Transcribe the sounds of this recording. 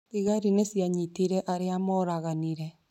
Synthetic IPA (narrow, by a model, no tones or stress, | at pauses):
iɣaɾinesjaɲitiɾeʔaɾeamɔɾaɣaniɾe